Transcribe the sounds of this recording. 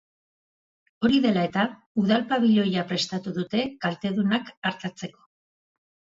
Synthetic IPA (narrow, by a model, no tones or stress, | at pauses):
o̞ɾiðe̞lae̞t̪a | uð̞alpaβ̞iʎo̞japɾe̞st̪at̪uðut̪e̞kalt̪e̞ðunakaɾt̪at͡se̞ko̥